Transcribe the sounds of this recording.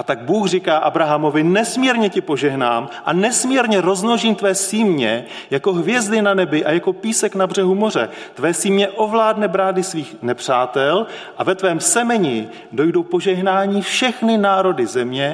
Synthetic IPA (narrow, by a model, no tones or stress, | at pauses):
ʔat̪aɡ̚buːxr̝ikaːʔabɾaɦamo̞vɪnɛsmiːɾɲɛcɪpo̞ʒɛɦna̰ːmʔa̰nɛsmiːɾɲɛɾo̞znoʒiːmt̪vɛːsiːmɲɛ | jako̞ɦvjɛzdɪnanɛbɪʔajako̞piːsɛknabr̝ɛɦumo̞r̝ɛ̰t̪vɛːsiːmɲɛʔo̞vlaːdnɛbɾaːdɪsviːxnɛpr̝̥aːt̪ɛlʔavɛt̪vɛːmsɛmɛɲɪ | do̞jdo̞wpo̞ʒɛɦnaːɲiːfʃɛxnɪnaːɾo̞dɪzɛmɲɛ